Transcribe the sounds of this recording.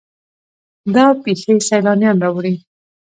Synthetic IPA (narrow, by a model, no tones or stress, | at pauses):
d̪ɑpexesajlɑnjɑnɾɑwɽi